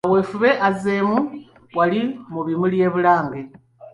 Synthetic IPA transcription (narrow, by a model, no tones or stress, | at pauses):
weːfuβe̞ʔazeːmu | walimuβimulje̞ːβulaːŋɡe